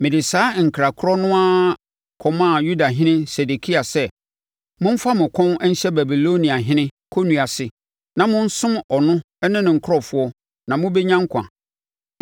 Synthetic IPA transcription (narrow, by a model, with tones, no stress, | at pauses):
mɪ̃˨dɪ˨saː˨˦ŋ̩˨kʰɾa˨kʰʊ˦ɾɔ˦nʊ̃˦a˦ | kʰɔ˨mã˦˨ju˦da˨ɦɪ̃˦nɪ̃˦sɛ˨de˨kʰi˦a˨sɛ˦ | mʊ̃˦m̩˦fa˦mɪ̃˨kʷʰɔ̃˦nɛ˦n̩˦ɕɛ˦ba˨bi˨lo˦nĩ˨a˨ɦɪ̃˦nɪ̃˦ | kʰo˦nũ˨a˨sɪ˨ | nã˨mʊ̃˦n̩˦sʊ̃˦mɔ˨nʊ̃˦ | ɛ˦nɪ̃˦nɪ̃˨ŋ̩˨kʰʊ˦ɔ˨fʊ˦ɔ˦ | nã˨mʊ̃˦be˦ɲã˦ŋ˦kʷʰã̰˨